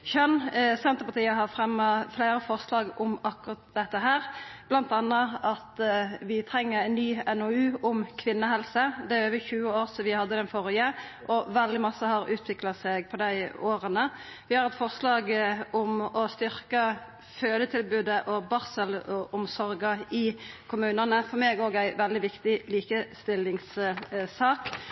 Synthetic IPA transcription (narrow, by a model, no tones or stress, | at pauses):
çœnsɛnt̪əpɑt̪ʰiːəɦɑʁfʁɛmːəflæɪɾəfɔʁslɑːɡʊmɑkːʊʁɑt̪̚d̪ɛt̪ːəɦæːɾb̥lɑnt̪ɑnːəɑt̪ʋɪt̪ʰɾɛŋːəɾɛnːyːɛnɔʉːʊmkʰʋɪnːəhɛlsəd̪ɛæøːʋəçʉːəoːɾsɔʋɪhɑd̪ːəd̪ɛnfɔɾɪəʔɔʋɛld̪ɪmɑsːəhɑɾʉːt̪ʰʋɪklɑsɛɡpʰɔd̪æɪoːɾənəʋɪhɑɾɛt̪fɔʁslɑːɡʊmɔst̪ʏɾkə | føːd̪ət̪ʰɪlbʉːd̪əʔɔbɑʁsəlɔʔʊmsɔɾɡɑɪkʰʊmʉːnənəfɔʁmeːɡoːɡæɪʋɛld̪ɪʋɪkt̪ɪliːkəst̪ɪlːɪŋssɑːk